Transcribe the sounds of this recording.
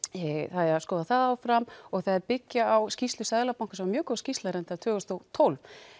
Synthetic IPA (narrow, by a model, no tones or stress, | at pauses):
θaðɛɾaskɔːðaθaðaːwfɾamːɔɣθaðɛɾpɪcːaawscist̪lʏsaðlapawŋkʏsɛmamjʏːkɔscist̪laɾɛnt̪at̪ʰœːɣʏst̪ɔwt̪ʰowlv